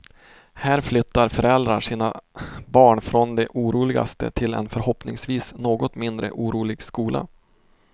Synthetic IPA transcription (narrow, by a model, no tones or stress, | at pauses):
hæːɾflʏt̪ːaɾfœɾɛld̪ɾaʂiːnabɑːɳfɾɔnd̪ɛʔuːɾuːlɪɡa̰st̪ə̰t̪ʰɪlɛ̰nfœɾhɔpnɪ̰ŋsviːsnoːɡɔt̪mɪnd̪ɾə̰ʔuːɾuːlɪɡskuːla̰